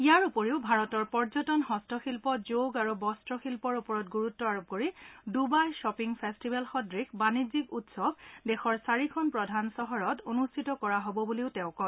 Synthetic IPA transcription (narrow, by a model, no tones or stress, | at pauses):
ijaɹupɔɹiʊbʱaɹɔtɔɹpɔɹzɔtɔnɦɔstɔxilpɔzoɡaɹubɔstɹɔxilpɔɹupɔɹɔtɡuɹutːɔaɹop̚koɹidubajʃɔpiŋpʰestibʱalxɔdɹixʰbanizikutsɔbdɛxɔɹsaɹikʰɔnpɹɔdʱansɔɦɔɹɔtonustʰitɔkɔɹaɦobɔbuliʊtɛʊ̃kɔn